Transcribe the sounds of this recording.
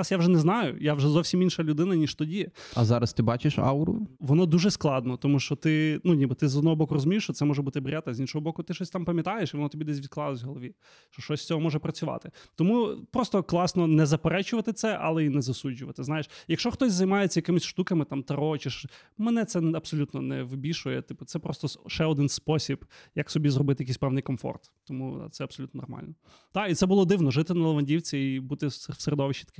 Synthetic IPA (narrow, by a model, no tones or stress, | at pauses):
sjawʒɛnɛznɑjʊ̰jawʒɛzɔwsʲiminʃɐlʲʊd̪ɪnɐnʲiʃt̪ɔdʲiɐzɑɾɐst̪ɪbɑt͡ʃɪʃɑ̰ɾʊ̰ʋɔnɔd̪uʒɛsklˠɑd̪nɔt̪ɔmuʃt͡ʃɔt̪ɪnunʲibɨt̪ɪzɔd̪ɔɦɔbɔkʊrɔzʊmʲiʃt͡ʃɔt̪sɛmɔʒɛbut̪ɪbɾʲʔat̪ɐzʲinʃɔɦɔbɔkʊt̪ɪʃɔsʲt̪ɑmpɐmʲjɐt̪ɑjeʃiʋɔnɔt̪ɔbʲid̪ɛsʲʋʲid̪̚klˠɑlˠɐzʲɦɔlˠʋʲi | ʃt͡ʃɔʃt͡ʃɔsʲsʲt͡sʲɔɦɔmɔʒɛpɾɐt͡sʲʊʋɑ̰t̪ɪt̪ɔmupɾɔst̪ɔklˠɑsnɔnɛzɐpeɾɛt͡ʃʊʋɐt̪ɪt̪sɛʔɐ̰lˠɛinɛzɐsud͡ʒʲːʊʋɐt̪ɪznɑjeʃjɐkʃt͡ʃɔxt̪ɔsʲzɐjmɑjet͡sʲɐjɐkɪmɪsʲʃt̪ukɐmɪt̪ɑmt̪ɐɾɔt͡ʃɪʃ | mɛnɛt̪sɛnɐb̥sɔlʲut̪nɔnɛʋɪbʲiʃʊjɛt̪ɪpʊt̪sɛpɾɔst̪ɔʃɛɔd̪ɪnspɔsʲibjɐksɔbʲizrɔbɪt̪ɪjɐkisʲpɛwnɪjkɔmfɔ̰rt̪ːɔmṵt̪sɛɐbsɔlʲut̪nɔnɔ̰rmɑ̰lʲnɔ | d̪̥ɑit̪sɛbʊlˠɔd̪ɪwnɔʒɪt̪ɪnɐlˠɐʋɐnʲdʲiwt͡sʲiibut̪ɪ̥seɾed̪ɔʋɪʃt͡ʃit̪ɐ̥kɪ